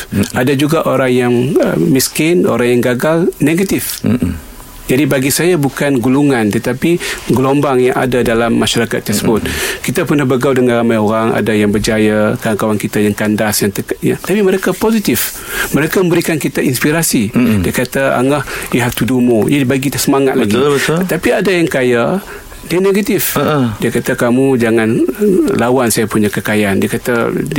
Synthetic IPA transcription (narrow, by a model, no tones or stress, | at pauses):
ʔadad͡ʒuɡaʔoɾaŋjaŋə̰miskɪno̰ɾaŋjaŋɡaɡalneɡat̪ɪf | d͡ʒadibaɡisajabukanɡuluŋant̪ət̪apiɡəlombaŋjaŋa̰dadalamːaʃaɾakat̪ːərsəbʊt̪̚kit̪apərnahbəɡawdəŋanramajoɾaŋa̰dajaŋbərd͡ʒajakaaŋkawaŋkit̪ajaŋkandasjaŋt̪əjaŋt̪apiməɾekapozit̪ɪf | məɾekaməmbəɾikankit̪aʔinspiɾasidiakat̪aa̰ŋahjuɦaft̪udumojadibaɡidahsəmaŋat̪̚laɡit̪apiadajaŋkaja | dianeɡat̪ɪfdiəkat̪akamud͡ʒaŋanlawansajapuɲakəkajandiakat̪a